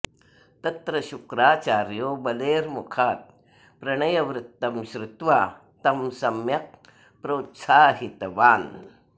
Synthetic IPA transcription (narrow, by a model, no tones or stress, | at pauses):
t̪ɐt̪ɾɐɕukɾaːt͡ʃaːɾjoːbɐleːɾmukʰaːt̪̚ | pɾɐɳɐjɐʋɾɨt̪ːɐmɕɾut̪ʋa | t̪ɐmsɐmjɐk̚ | pɾoːt̪saːɦit̪ɐʋaːn